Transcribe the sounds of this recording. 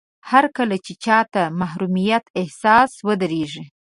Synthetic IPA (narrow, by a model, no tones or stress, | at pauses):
haɾkəlat͡ʃet͡ʃɑt̪amaɦɾumijat̪ɪhsɑswəd̪aɾeʐi